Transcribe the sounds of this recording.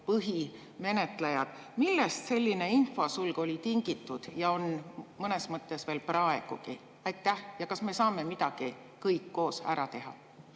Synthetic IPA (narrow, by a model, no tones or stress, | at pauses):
pɯɦi | me̞ne̞t̪lejɑd̪̥ | milːest̪se̞lʲːine̞info̞sulɡ̥o̞lʲit̪iŋɡ̥it̪ːˑud̪̥jɑo̞nmɤne̞smɤt̪ːˑe̞sve̞ːlprɑe̞ɡ̥uɡ̥i | ɑjt̪ːˑæhjɑkɑsme̞sɑːme̞mid̪̥ɑɡ̥i | kɤjkːo̞ːsæ̰ɾʔɑt̪e̞ɦɑ̰